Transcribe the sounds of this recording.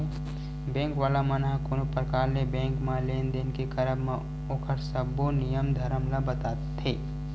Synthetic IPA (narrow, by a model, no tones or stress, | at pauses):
bɛ̃ːŋkʋaːlamənaɦkonopəɾkaːɾnebɛ̃ːŋkmãleːnd̪enkekɐɾəbmã | oːkʰəɾsəbonijəmd̪ʱɐɾəmlabət̪aːt̪t̪ʰeː